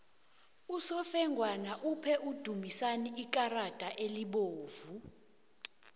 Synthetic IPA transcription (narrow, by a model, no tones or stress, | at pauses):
usɔfɛŋɡʱwanaʔupʰɛʔud̥ʱumisaniik̬ʼarad̥ʱʼaʔeliɓoːvu